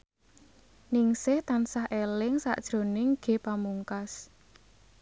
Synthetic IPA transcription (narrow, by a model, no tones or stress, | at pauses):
nɪŋsɪht̪ansahʔelɪŋsa̰ʔd̥ʒ̥ɾo̤nɪŋɡ̥e̤pamuŋkas